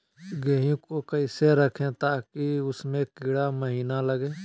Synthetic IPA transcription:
ɡeɦũkokɐɪseɾɐkʰẽt̪aːkiʊsmẽkɪɽaməɦiːnalɐɡẽː

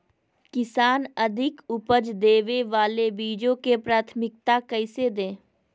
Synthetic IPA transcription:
kɪsaːnəd̪ʱɪkʊpəd͡ʒd̪eːʋeʋaːlebiːd͡ʒõkepɾaːt̪ʰmɪk̚t̪akəɪsed̪ẽː

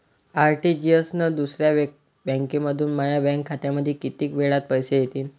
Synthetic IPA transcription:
aɾʈiːd͡ʑijəsnəd̪usɾja | bɛ̃ŋkeməd̪ʱuːnmajabɛ̃ŋkʰːat̪jaməd̪ʱːekit̪iːkʋeɭat̪̚pəjsejet̪iːn

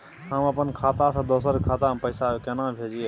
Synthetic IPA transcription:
ɦəməpənkʰaːt̪asãd̪oːsəɾkʰaːt̪ãpəɪsakenãbʱeːd͡ʒieː

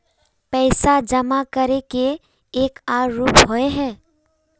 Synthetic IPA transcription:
pɛɪsad͡ʒəmakəɾekeː | kaːɾːuːpɦoeɦɛː

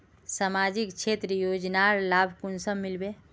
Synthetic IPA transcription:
samad͡ʒikt͡ʃʰet̪ɾəjod͡ʒnaɾlabʱkunsəmmːilbe

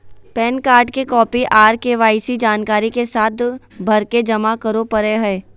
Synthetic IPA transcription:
pɛːnkaːɾɖkekɔːpiʔaːɾkeʋaːɪsid͡ʒaːnkaːɾikesaːt̪ʰbʱɐɾked͡ʒɐmakɐɾopɐɾeɦɛː

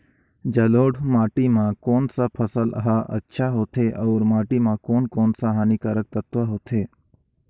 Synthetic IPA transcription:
d͡ʒəloːɽmaːʈimãkoːnsapʰəsələ̰ɦaʔə̰tːʃʰaɦoːt̪ʰeʔɔːɾmaːʈimãkoːnkoːnsaɦaːnikəɾək̚t̪ət̪ʋaɦoːt̪ʰeː

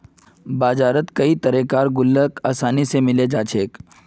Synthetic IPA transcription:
baːd͡ʒaːɾət̪kɐit̪ɐɾekaːɾɡʊlːəkaːsaːnisemɪled͡ʒaːt͡ʃʰeːk

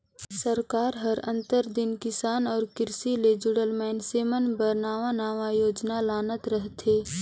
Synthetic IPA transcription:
səɾkaːɾɦəɾə̰̃nt̪əɾd̪ɪnkɪsaːnɔːɾkɪɾsiled͡ʒʊɽəlmɛːnseːmənbəɾnaːʋanaːʋajoːd͡ʒnalaːnət̪ɾəɦt̪ʰeː

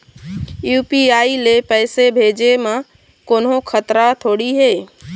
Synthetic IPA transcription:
juːpiaːilepəːsebʱeːd͡ʒemã | koːnɦõkʰət̪ɾat̪ʰoːɽiɦeː

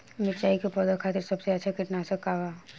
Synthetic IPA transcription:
mɪt͡ʃaːikepɔd̪əɾkʰaːt̪ɪɾsɐbseɐtːʃʰakɪʈnasəkaːʋa

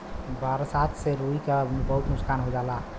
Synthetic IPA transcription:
baɾasat̪ʰseɾuikambəɦut̪nuskanɦod͡ʒala

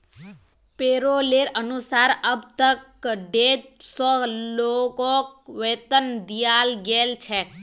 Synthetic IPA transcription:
peɾoleɾənusaɾəbt̪ək | ɖed͡ʒsɔlokok̚ʋet̪ənd̪ijalɡelt͡ʃʰe

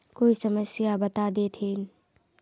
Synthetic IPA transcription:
koːisɐməsjabɐt̪ad̪et̪ʰen

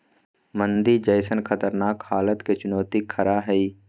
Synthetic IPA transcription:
mə̃nd̪id͡ʒəjsənxɐt̪əɾnaːkhaːlət̪ket͡ʃʊnɔːt̪ikʰɐɾaɦɛiː

